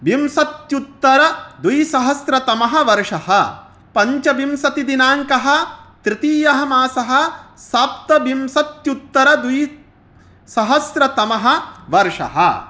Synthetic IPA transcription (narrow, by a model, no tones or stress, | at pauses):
bimsɐt̪jut̪ːɐɾɐd̪ujsɐɦɐsɾɐt̪ɐmɐɦɐʋɐɾʂɐhɐ | pɐɲt͡ʃɐbimsɐt̪id̪inaːŋkɐɦɐ̆t̪ɾɪt̪iːjɐɦɐmaːsɐɦɐ̆saːpt̪ɐbimsɐt̪jut̪ːɐɾɐd̪uj | sɐɦɐsɾɐt̪ɐmɐɦɐ̆ʋɐɾʂɐ̰ɦɐ̰